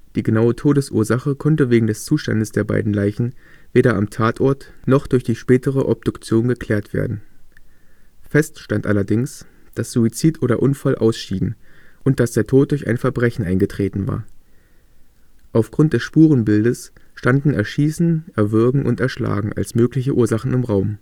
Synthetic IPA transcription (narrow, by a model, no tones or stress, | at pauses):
d̥iːɡənaʊətʰoːdəsʔuːɐzaχəkʰɔntəveːɡŋ̩dɛst͡suːʃta̰ndəsd̥eːɐba̰ɪdn̩laɪçn̩veːɾɐʔamtʰaːtʰʔɔɐtnɔχd̥ʊɐçd̥iːʃpɛːtəʁ̞əʔɔb̚d̥ʊkt͡sjoːnɡəkʰl̥ɛːɐtv̥ḛːɐdn̩ | fɛstʃtantʔalɐdɪŋs | d̥asz̥uit͡siːtʔoːɾɐʔʊnfalʔa̰ʊsʃiːbŋ̩ʔʊnt̚d̥asd̥eːɐtʰoːt̚d̥ʊɐçʔa̰ɪnfɛɐbʁɛçn̩ʔaɪnɡətʁ̥eːtn̩va̰ːɐ | ʔaʊfɡ̥ʁʊnt̚d̥ɛsʃpuːʁ̞ənbɪldəsʃtandn̩ɛɐʃiːsn̩ʔɛɐvɪɐɡŋ̩ʔʊ̰ntɛɐʃla̰ːɡŋ̩ʔa̰lsmøːklɪçəʔuːɐzaχn̩ɪmʁaʊm